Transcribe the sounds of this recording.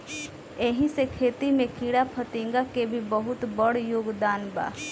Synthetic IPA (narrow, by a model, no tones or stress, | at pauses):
eɦĩsekʰeːt̪imẽkʰiːɽapʰət̪ĩːŋɡakebʱibəɦʊt̪bəɽjoːɡd̪aːnba̰ː